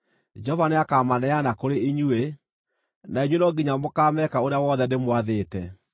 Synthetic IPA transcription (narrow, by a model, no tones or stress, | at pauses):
d͡ʒɔvaneakaːmanɛanakoɾeiɲue | naiɲwenɔɡiɲamokaːmɛkaoɾeawɔðɛdemwaðeːtɛ